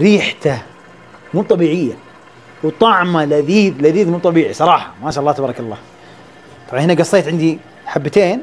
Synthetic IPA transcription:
ɾiːħt̪a | muːt̪ˤɑbiːʕɪjːa | wt̪ˤɑʕmalaðiːðlaðiːðmuːt̪ˤɑbiːʕisˤɑɾˤɑːħɑmaʃaːɑlːɑt̪abɑːɾˤɑkɑlˤːɑː | t̪ˤɑbʕɑnhɪnaɡɑsˤːeːt̪ʕɪnd̪i | ħabːt̪eːn

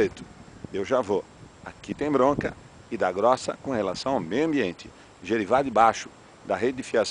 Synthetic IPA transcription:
ejt̪ʊ̥ewʒavo | akit̪ẽj̃bɾõkɐ | ɪd̪ɐɡɾɔsɐ̰kõhelasɐ̃w̃awmejʊɐ̃mbiẽnt͡ʃ̪ɪ̥ | ʒeɾivaɾd̪ɪbaʃʊ̥ | d̪ɐɦed͡ʒɪd̪ɪfias

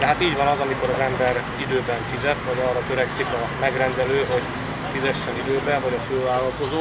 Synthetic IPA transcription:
d̪ɛɦat̪iːɟʋɒnɒzɒmiko̞ɾɒzɛmbɛɾ | id̪øːbɛɱfizɛt̪vɒɟɒːrːɒt̪ø̞ɾɛksikɒ | mɛɡrɛnd̪ɛløːɦo̞ɟ | fizɛʃːɛnid̪øːbɛvɒɟɒfølvaːlːɒlko̞zo

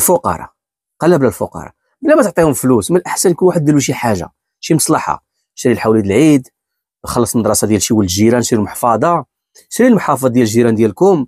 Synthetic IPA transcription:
lfʊqɑ̰ɾˤɑ̰ | qɑlːæblælfʊ̰qɑ̰ɾˤɑ̰ | blːæmæt̪ʕt̪ˤihʊmflusmənʔəħsænlikulwaħəd̪ːæluʃ̬iħaʒːa̰ | ʃiməsˤlɑħɑ̰ | ʃɾilħawlit̪lʕid̪ | xɑlːɑsˤnəd̪ˤɾˤɑsˤɑd̪jælʃiwəlʒiɾænʃɾilmoħfɑd̪ˤɑ | ʃɾilmħɑfd̪ˤɑˤd̪jælʒiɾænd̪jælkʊm

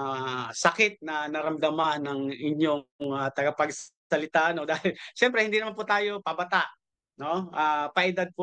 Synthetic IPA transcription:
sɐkɪt̪̚nɐnɐɾɐmd̪ɐmanɐŋɪɲjoŋat̪ɐɡɐpɐɡs | ɐlɪt̪aʔnod̪aːhɪlʃɛmpɾɛhɪnd̪inɐmanpʊt̪aːjo̞pɐbɐt̪aʔ | no̞ʔapɐʔɪd̪ad̪̚po

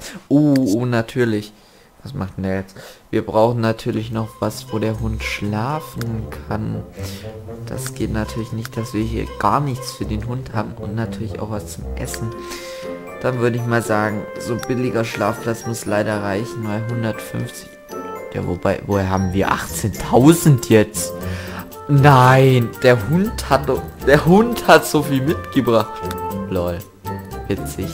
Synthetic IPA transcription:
ʔoːoːnatʰyːɐlɪç | vasmʔaχt̚ːndaːjɛt͡stviːɐbʁaʊxn̩natʰyːɐlɪçnɔχv̥asvoːɾeːɐɦʊntʃlaːfn̩kʰan | d̥a̰sɡ̥eːtnatʰyːɐlɪçnɪçt̚d̥asv̥iːɐhiːɐɡ̥aːɐnɪçt͡sfyːɐdeːnɦʊnthaːbm̩ʔʊ̰ntnatʰyːɐlɪça̰ʊxv̥ast͡sʊmʔɛ̰sn̩ | d̥anvʏɐɾəɪçmaːlzaːɡŋ̩zoːb̥ɪlɪɡɐʃlaːfpl̥at͡smʊslaɪɾɐʁaɪçn̩maːlɦʊndɐtfʏ̰nft͡sɪ̥ç | ja̰ːvob̥aɪvoːheːɐhaːbm̩viːɐʔa̰χt͡seːntʰaʊzn̩tʰjɛt͡st | naɪnd̥eːɐhʊnthatdɔd̥eːɐɦʊnthatz̥ofiːlmɪtɡ̥əbʁaχtlɔl | vɪt͡sɪç

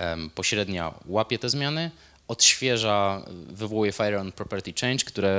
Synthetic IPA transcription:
pɔɕɾɛd̪ɲa̰wapʲɛt̪ɛzmʲjanɘ | ɔt̪ɕfʲjɛʐavɘvɔwujɛfajɾɛɾɔnpɾɔpʲɛɾt̪ʲit͡ʂɛj̃ʂkt̪uɾɛ

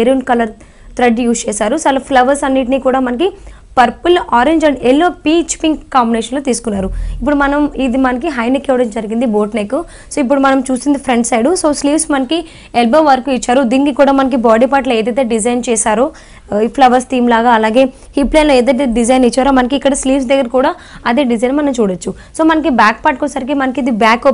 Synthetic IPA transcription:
eɾiuɳʈkɐlɐɾ | t̪ɾɐɖjuːst͡ʃɛːsaːɾusaːlɐpʰlɐʋɐɾsɐnːiːʈ̬iniːkuːɽaːmɐnɐki | pɐɾpulaːɾeɲd͡ʒɐelːoːpiːt͡ʃpiŋkkːaːmbineːʃɐnloːt̪iːsu̥kunːaːɾuipːuɽumɐnɐmid̪imɐnɐkiɦɐjnekːɛʋɐɽɐmd͡ʒɐɾiɡind̪iboːʈnekːu | soːip̬ːuɽumɐnɐmt͡ʃuːsind̪ipʰɾeɳɖsɐjɖuso̞ːsliːʋsmɐnɐki | elbɐmʋɐɾkuit͡ʃːaːɾud̪iːnikikuːɽaːmɐnɐk̬ibaːɖipaːʈloːeːd̪ɐt̪̬eːɖid͡ʒɐjnt͡ʃɛːsaːɾu | ipʰlɐʋɐɾst̪ʰiːmlaːɡaːɐlaːɡe̞ː | hiplenloɛːd̪ɐt̪eɖid͡ʒɐjnit͡ʃːaːɾomɐnɐkiːkːɐɽɐsliːʋs̬d̪ɐɡːɐɾɐkuːɽaː | ɐd̪eːɖid͡ʒɐjnmɐnɐmt͡ʃuːɽɐt͡ʃːu | soːmɐnɐk̬ibaːk̚paːʈkonsɐɾik̬imɐnɐkid̪ibaːkop

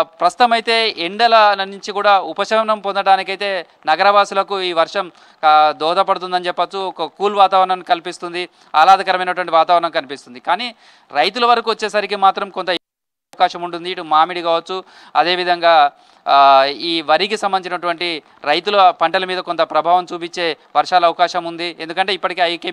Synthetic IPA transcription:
pɾɐst̪ut̪ɐmɐjt̪e̞ːeɳɖɐlɐnuɲt͡ʃikuːɽaːupɐʃɐmnɐmpond̪ɐɽaːnikɐjt̪e̞ː | nɐɡɐɾɐʋaːsulɐkuiːʋɐɾʂɐm | d̪ɔːd̪ɐpɐɽut̪̬und̪ɐnit͡ʃɛpːɐt͡ʃːuɔkɐkuːlʋaːt̪aːʋɐɾɐɳɐmkɐlipist̪und̪i | ɐlaːd̪ɐkɐɾɐmɐjnɐʈuʋɐɳʈiʋaːt̪aːʋɾɐɳɐmkɐnipist̪und̪ikaːniː | ɾɐjt̪ulɐʋɐɾɐkuːʋɐt͡ʃːe̞ːs̬ɐɾikimaːt̪ɾɐmkont̪ɐ | ɐkaːʃɐmuɳʈund̪iːʈumaːmiɽikaːʋɐt͡ʃːu | ɐd̪e̞ːʋid̪ʱɐŋɡaː | iːʋɐɾikisɐmbɐnit͡ʃinɐʈuʋɐɳʈi | ɾɐjt̪ulɐpɐɳʈɐlɐmiːd̪ɐkont̪ɐpɾɐbʱaːʋɐmt͡ʃuːpit͡ʃːe̞ː | ʋɐɾʂaːlɐʋɐkaːʃɐmund̪ie̞nd̪ukɐɳʈe̞ːipːɐʈike̞ːɐjkeː

